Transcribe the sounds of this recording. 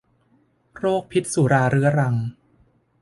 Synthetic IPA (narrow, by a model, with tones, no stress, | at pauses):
ɾoː˥˩k̚pʰi˦˥t̪̚su˨˩˦ɾaː˧ɾɯ˦˥ɐɾa˧ŋ